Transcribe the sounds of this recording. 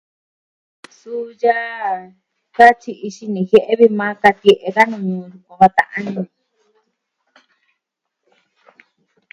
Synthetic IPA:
su˦ja˦ | ka˦t͡ʃi˧ʔi˧ʃi˧nĩ˧˨he˦ʔe˦βi˧mã˦ka˧t̪i˧e˧˨ʔe˧ða˦nũ˧ɲũ˧jũ˧kã˧βa˧t̪ã̰˧ʔã˦nĩ˧

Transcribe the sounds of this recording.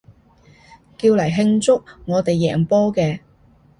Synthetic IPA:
kiː˧wlɐ˨˩jɦɪ˧ŋt͡sʊ˥k̚ŋɔː˨˧t̪e˨jːɛː˨˩ŋpɔː˥kɛː˧

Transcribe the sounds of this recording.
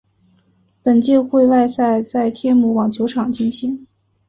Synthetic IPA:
pə˨˩nt͡ɕjɛ˥˧xwe˥˧ɪwa˥˧ɪsa˥˧ɪt͡sa˥˧ɪt̪ʰjɛ˥˧nmu˧˥wɑ˨˩ŋt͡sjɔ˧˥ʊʈ͡ʂʰɑ˨˩ŋt͡ɕi˥˩nɕi˧˥ŋ

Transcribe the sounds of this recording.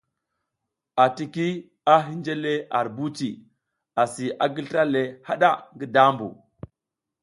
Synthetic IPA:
a˨ti˨ki˦ | a˦ɦi˦nd͡ʒe˦le˦ʔa̰˨ɾbu˦t͡ʃi˨ | a˨si˨ʔa˨ɡi˦lɾa˦le˨ha˦ɗa˦ŋɡi˦da˦mbṵ˨

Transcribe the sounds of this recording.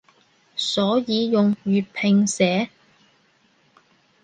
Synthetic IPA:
sɔː˨˥jiː˨˧jʊ˨ŋɥyː˨t̚pʰɪ˨ŋsɛː˨˥

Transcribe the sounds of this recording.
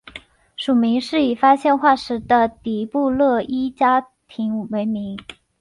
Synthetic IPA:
ʂu˨˩mi˧˥ŋʂɻ̩˥˩i˨˩fa˥ɕjɛ˥˧nxwa˥˩ʂɻ̩˧˥d̪ə˧t̪i˨˥˩pu˥˧lɤ˥˩i˥t͡ɕja˥ | t̪ʰi˧˥ŋwe˧˥ɪmi˧˥ŋ

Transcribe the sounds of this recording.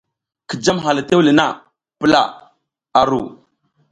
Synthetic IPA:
ki˨d͡ʒa˦mɦa˨la˨te˦wli˨na˦˨ | pə˦la̰˦˨ | a˨ɾu˨

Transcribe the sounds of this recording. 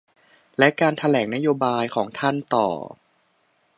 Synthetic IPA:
lɛ˦˥ʔkaː˧nt̪ʰa˧lɛː˩˦ŋna˦˥joː˧baː˧jkʰɔː˩˦ŋt̪ʰa˥˩nt̪ɔ̰ː˨˩

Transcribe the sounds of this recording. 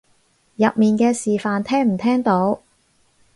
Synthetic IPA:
jɐ˨p̚miː˨nkɛː˧siː˨faː˨˧nt̪ʰɛː˥ŋm̩˨˩t̪ʰɛː˥ŋt̪o˨˥w

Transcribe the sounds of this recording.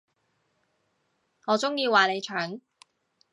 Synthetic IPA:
ŋɔː˨˧t͡sʊ˥ŋjiː˧waː˨ne˨˧jt͡ʃʰœː˨˥ŋ

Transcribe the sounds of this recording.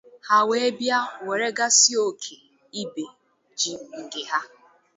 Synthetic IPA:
ha˦we˦e˦bja˦we˨ɾe˦ɡa˦si˦o˦kʰe˨ | i˦be˨ | d͡ʒi˨ŋ̩˨ɡɪ˨ɦa˦

